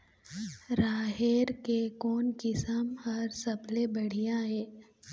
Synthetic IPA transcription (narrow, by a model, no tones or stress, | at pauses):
ɾaːɦeːɾkekɔːnkɪsəmhɐɾsɐblebɐɽ̤ijãɦɛː